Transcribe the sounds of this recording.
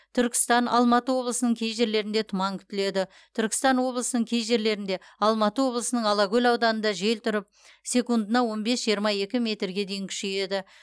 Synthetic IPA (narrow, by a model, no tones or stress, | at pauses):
t̪ʰʏɾkʲɪ̥st̪ɑnʔɑ̰lˠmɑt̪əwo̞blˠəsənəɴkʲʰe̞jʒe̞ɾle̞ɾɪnd̪e̞t̪ʰʊmɑŋkʲʰʏ̥t̪ɪle̞d̪ɪ | t̪ʰʏɾkʲɪ̥st̪ɑnwo̞blˠəsənəɴkʲʰe̞jʒe̞ɾle̞ɾɪnd̪e̞ɑlˠmɑt̪əwo̞blˠəsənəɴɑlˠɑɡʲɵlʲɑwd̪ɑnənd̪ɑʒe̞lt̪ʰʊɾɪp̚ | sʲe̞kund̪ənɑwo̞nbe̞sʒ̥ijəɾmɑje̞kʲɪmʲe̞t̪ɾɡʲe̞d̪e̞jɪŋkʲʰʏ̥ʃe̞je̞d̪ɪ